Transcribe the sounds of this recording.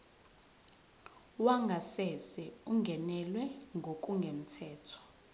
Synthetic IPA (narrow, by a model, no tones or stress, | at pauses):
waŋɡʱasɛsɛuŋʱɛnɛlwɛŋɡʱok̬ʼuŋɡʱem̩tʰɛːtʰɔ̥